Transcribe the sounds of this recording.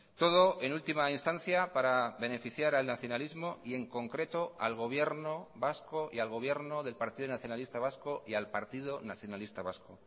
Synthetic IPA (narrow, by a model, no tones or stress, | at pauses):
t̪o̞ð̞o̞e̞nult̪imainst̪an̟θjapaɾaβe̞ne̞fiθjaɾalnaθjonalizmo̞ie̞ŋko̞ŋkɾe̞t̪o̞a̰lɣ̞o̞β̞je̞ɾnoβaskoialɣ̞o̞β̞je̞ɾnoðe̞lpaɾt̪iðonaθjo̞nalist̪aβ̞askoʔialpaɾt̪iðonaθjonalist̪aβasko